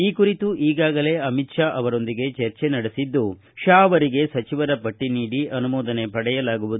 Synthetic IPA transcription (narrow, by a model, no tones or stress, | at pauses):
iːkuɾit̪uʔiːɡaːɡɐle̞ɐmit̪ʃaːʔɐʋɐɾo̞nd̪iɡe̞t͡ʃɐɾt͡ʃe̞nɐɽesid̪ːu | ʃaːɐʋɐɾiɡe̞sɐt͡ʃiʋɐɾɐpɐʈːiniːɽiʔɐnumɔːd̪ɐne̞pɐɽɛjɐlaːɡuʋud̪u